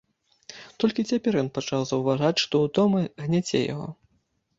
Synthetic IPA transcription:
t̪ɔlʲkʲit͡sʲapʲɛɾjɔnpat͡ʂawzɐwvaʐat͡sʲʂt̪ɔud̪ɔmɨɣnʲat͡sʲɛ̰ja̰ɣɔ̰

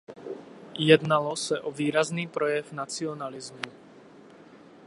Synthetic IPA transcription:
jɛd̪nalɔsɛʔɔviːɾazniːpɾɔjɛvnat͡siɔnalizmu

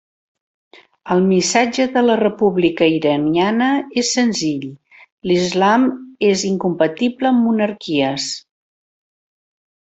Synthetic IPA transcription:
əlˠmisad͡ʒəðələrəpuβlikəiɾənianəesːənziʎ | lizlameziŋkumpət̪ibləːmːunəɾkiəs

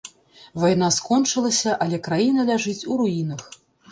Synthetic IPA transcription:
vajn̪askɔnt͡ʂɨlˠɐsʲɐʔɐlʲɛkɾajinɐlʲaʐɨt͡sʲuɾuinɐx

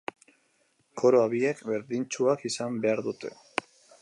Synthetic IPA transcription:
kʰo̞ɾo̞aβiekbe̞ɾðint͡ʃuakisambe̞aɾðut̪e̞̰

